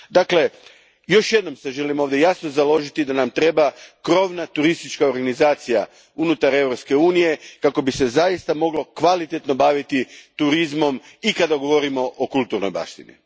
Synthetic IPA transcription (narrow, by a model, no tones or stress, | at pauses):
d̪akle̞ | jo̞ʃjed̪no̞mseʒe̞limo̞ːʋd̪je̞jasno̞zalo̞ʒit̪id̪anamt̪ɾe̞bakɾo̞ʋnat̪uɾist̪it͡ʃkaoɾɡanizaːt̪sija | unut̪aɾe̞ʋɾopske̞uːnije̞kako̞bise̞zajist̪amo̞ɡlo̞kʋalit̪et̪no̞baʋit̪it̪uɾizmo̞m | ikad̪aɡo̞ʋo̞ɾimo̞ʔokulˠt̪uɾno̞jba̰ʃt̪inḭ